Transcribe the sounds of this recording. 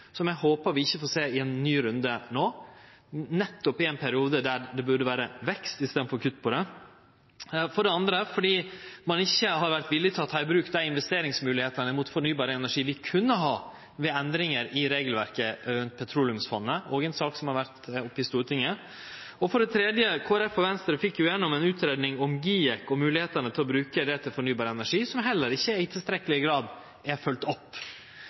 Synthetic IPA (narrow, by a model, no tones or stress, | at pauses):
sɔmjæhoːpəɾʋɪɪçːəfoːseːɪɛnːyːɾʉnd̪ənoː | nɛt̪ːɔpɪɛɪnpʰæɾɪuːd̪əd̪æɖɛbʉɖəʋæːɾəʋɛkst̪ɪst̪eːd̪̩fɔɾkʰʉt̪ːəpʰɔd̪ɛ | fɔɖɛɑnd̪ɾəfɔɖiːmɑnɪçːəɦɑɾʋæɾt̪ʋɪlːɪt̪ʰɑt̪ʰhɑɪbɾʉːkd̪æɪɪnʋɛst̪eːɾɪŋsmʉːlɪheːt̪ənəmuːt̪fɔɳyːbɑːɾəɛnæʂiːʋɪkʰʉnːəɦɑː | ʋɛɛnd̪ɾɪŋəɾɪɾeːɡəlʋæɾkəɾʉnt̪̚pʰɛt̪ʰɾuːlʉmsfɔnːəɔːɡɛnsɑːksɔmhɑɾʋæɾt̪ɔpːɪst̪uːɾət̪ʰɪŋːə | ɔfɔɖɛt̪ʰɾeːd̪jəkʰoːæɾɛfɔʋɛnst̪əɾəfɪkːjʊjɛnːɔmɛnʉːt̪ʰɾeːd̪nɪŋɔmɡiːɛkɔmʉːlɪheːt̪ənət̪ʰɪlɔbɾʉːkəd̪ɛt̪ʰɪlfɔɳyːbɑːɾəɛnæʂiːsɔmɦɛlːəɾɪçːəɪt̪ʰɪlst̪ɾɛkəlɪɡɾɑːd̪ | ɛɾfœlt̪ɔpː